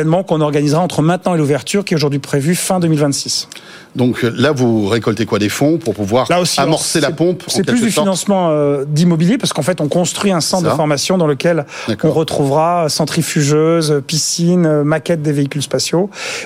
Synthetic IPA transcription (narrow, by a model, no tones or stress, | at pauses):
ɛnmɑ̃kɔ̃nɔʁɡanizʁaɑ̃t̪χəmɛ̃t̪nɑ̃eluvɛʁt̪yʁkʲiɛt̪oʒuʁd̪ɥipχevyfɛ̃d̪əmilvɛ̃t̪sis | d̪ɔ̃klavuʁekɔlt̪ekwad̪efɔ̃puʁpuvwaʁlaosiamɔʁselapɔ̃psɑ̃ɛkɛlys̬d̪yfinɑ̃smɑ̃ød̪imɔbiljepaʁsə̥kɑ̃fɛt̪ɔ̃kɔ̃st̪χɥiɛ̃sɑ̃t̪d̪əfɔʁmasjɔ̃d̪ɑ̃ləkʲɛlakɔ̃ʁət̪χuvʁaøsɑ̃t̪χifyʒøzpisinømakʲɛt̪̚d̪eveikʲylspasjo